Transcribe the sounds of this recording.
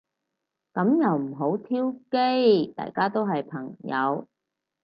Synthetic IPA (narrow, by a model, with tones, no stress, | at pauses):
kɐ˨˥mjɐ˨˧wm̩˨˩ɦo˨˥wt̪ʰiː˥wke˥jt̪a̰ː˨jkaː˥t̪o˥wɦɐ˨jpʰɐ˨˩ŋjɐ̰˨˧w